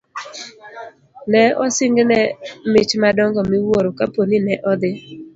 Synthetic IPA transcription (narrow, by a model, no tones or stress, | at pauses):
nɛɔsɪŋɡnɛmɪt͡ʃmadɔŋɡɔmɪwoɾokaponinɛʔɔd̪ɪ